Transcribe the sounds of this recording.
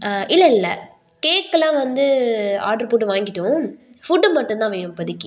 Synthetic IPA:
ʔɪlːɐɪlːɐ | keːkːɐlãːʋɐnd̪ɯa̰ːʈɐɾpoːʈ̬ːɯʋaːŋɡɪʈːʊ̃ | fʊɖːɯmɐʈːɯ̃nt̪ãːʋeːɳɯmpɐðɪkːɯ

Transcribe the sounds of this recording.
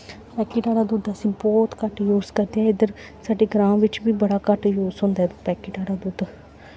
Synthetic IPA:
pɛːkiːʈaːɾaːd̪uːd̪əsĩːbɔːt̪kəʈjuːzkəɾd̪eɛ̃ːɪd̪əɾ | saːɖeɡɾãːmʋɪt͡ʃbiːbəɽaːkəʈjuːzɦʊ̃ːnd̪aɦɛpɛːkiːʈaːɽaːd̪uːd̪

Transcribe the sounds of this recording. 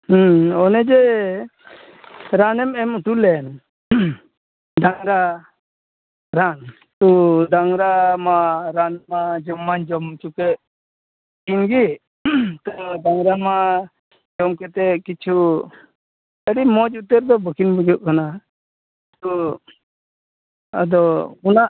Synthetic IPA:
hɔnɛd͡ʒɛ | ɾanɛmɛmuʈulɛn | d̪aŋɾa | ɾan | t̪ɔd̪aŋɾamaɾanmad͡ʒɔmːand͡ʒɔmt͡ʃukɛʔ | inɡi | t̪ud̪aŋɾama | d͡ʒɔmkɛt̪ɛkit͡ʃʰu | əɽimɔd͡ʒut̪əɾd̪ɔbəkʰinbud͡ʒuʔkana | t̪ɔ | a̰d̪ɔunaʔ

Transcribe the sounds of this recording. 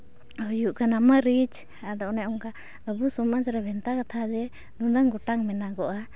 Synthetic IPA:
ɔjuʔkanaməɾid͡ʒ | ad̪ɔʔnɛɔŋka | əbusɔmad͡ʒɾabʱɛnt̪akat̪ʰad͡ʒɛ | nunəŋɡɔʈaŋmɛnaɡɔʔa

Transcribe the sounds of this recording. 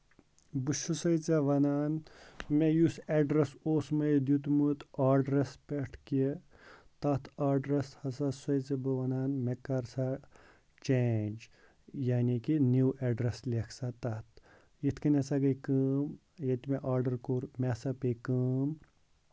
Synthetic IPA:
bɨʃusɐjt͡saʋɐnaːnmejuseːɖɾɐsoːsmɐjd̪jut̪̬mut̪aːɖɾɐspeʈʰki | t̪ɐt̪ʰaːɾɖɾɐshɐsɐsɐjt͡sɐbɨʋɐnaːnmekɐɾsa | t͡ʃend͡ʒ | jaːnikinuwʔeɖɾɐslʲekʰsat̪ɐt̪ | jit̪ʰkinesaɡɐkɨːm | jet̪meʔaːɾɖɐɾkoːɾmʲeːsɐpekɨːm

